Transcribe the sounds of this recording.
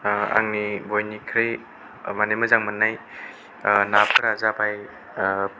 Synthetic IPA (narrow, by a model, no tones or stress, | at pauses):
a̰ŋnibojnikʰɾɯj | manejmɯzaŋmənːaj | napʰɯɾazabaj